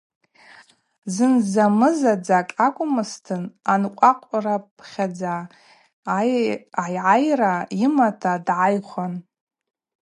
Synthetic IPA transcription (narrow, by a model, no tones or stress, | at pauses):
zɨnzamɨzad͡zakʼakʷʼʊmɨstʰɨnanqʷʼaqʷʼrapʰχʲad͡za | ajʕajraimatʰadʕajχʷan